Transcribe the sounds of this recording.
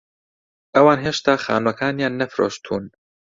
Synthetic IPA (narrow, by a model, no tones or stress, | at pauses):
ʔɐwaːnɦeːʃt̪aːxa̰ːnwɐkʰaːnjaːnːɐfɾo̰ːʃt̪ʰuːn